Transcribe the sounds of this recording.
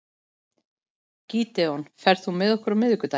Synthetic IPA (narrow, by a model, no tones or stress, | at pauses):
ciːt̪ɛɔnfɛɾ̥θθumɛðɔhkʏɾmɪðʏkʏt̪a